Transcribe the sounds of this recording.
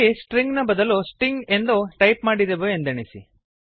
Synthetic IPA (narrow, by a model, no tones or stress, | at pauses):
isʈɾiŋɡnɐbɐd̪ɐlusʈɾiŋɡend̪oʈɐjpmaːɽid̪eʋoend̪eɳisḭ